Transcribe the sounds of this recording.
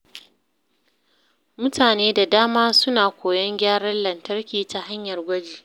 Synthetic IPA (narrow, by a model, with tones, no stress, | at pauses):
mʊ˦tʰaː˨neː˦da˨daː˦maː˦sʊ˦naː˨kʷoː˨jɐ˦ŋɡʲaː˦ɽɐ˦nlːɐ˨ntɐ˦rkʲiː˨ta˨ɦa˦ɲjɐ˨rɡʷɐ˦d͡ʒiː˨